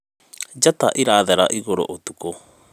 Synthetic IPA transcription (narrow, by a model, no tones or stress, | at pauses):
d͡ʑata̰ʔiɾaːðɛɾa̰ʔiɣoɾo̰ʔotuko